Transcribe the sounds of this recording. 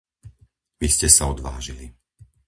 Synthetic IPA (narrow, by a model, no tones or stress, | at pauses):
ʋiscɛsaɔd̪ʋa̰ːʒili